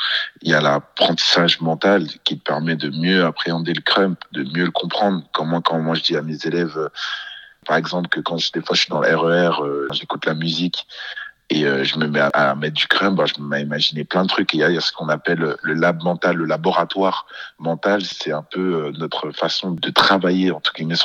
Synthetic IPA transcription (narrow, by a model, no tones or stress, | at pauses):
iljalapχɑ̃t̪i̥saʒmɑ̃t̪alkʲit̪əpɛʁmɛd̪əmjøapχeɑ̃d̪eləkχœmpd̪əmjøləkɔ̃pχɑ̃d̪ʁəkɔmɛ̃kɑ̃mwaʒəd̪iamezelɛvø | paʁɛɡzɑ̃plkəkɑ̃ʒə̥id̪efaʃɥid̪ɑ̃lɛʁøɛʁøʒekut̪lamyzik | eøʒəməmɛaʔa̰mɛt̪̚d̪ykχœmp̚bãʒəməmɛimaʒineplɛ̃d̪ət̪χykeajasə̥kɔ̃napɛløləlab̚mɑ̃t̪alːəlabɔʁat̪waʁmɑ̃t̪alsɛɛ̃pøønɔt̪χəfasɔ̃d̪ət̪χavajeɑ̃t̪uɡimɛs